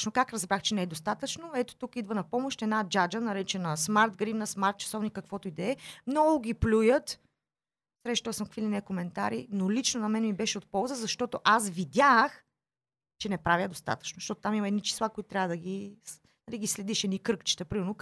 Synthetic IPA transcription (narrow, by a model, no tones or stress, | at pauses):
nokakɾɐzbɾaxt͡ʃɛnɛɛd̪ost̪at̪ət͡ʃnoɛt̪o̥t̪ukid̪vənɐpɔmoʃt̪ɛd̪nad͡ʒad͡ʒənɐɾɛt͡ʃɛnɐsmaɾt̪ɡɾimnɐsmaɾt̪̚t͡ʃɐ̥sɔvnikːɐkvɔt̪oid̪ɛɛmnɔɡʊɡʲiplʲujət̪ | sɾɛʃt̪əsəmkfilinɛkomɛnt̪aɾinolit͡ʃnonɐmɛnmibɛʃɛot̪̚pɔlˠzəzɐʃt̪ɔt̪oʔasvid̪ʲax | t͡ʃɛnɛpɾavʲjəd̪ost̪a̰t̪ə̥t͡ʃnoʃt̪ɔt̪o̥t̪amimɐɛd̪nit͡ʃi̥slˠakoit̪ʊt̪ɾʲjavəd̪əɡi | nɐliɡislɛd̪iʃɛd̪ikɾɤkt͡ʃi̥t̪əpɾimɛɾno